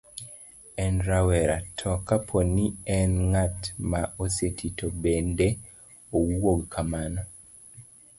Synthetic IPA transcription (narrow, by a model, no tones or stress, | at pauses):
ɛnɾawɛɾatʰɔkapʰoniɛnŋatmaʔosetʰitobende | owoɡkʰamanɔ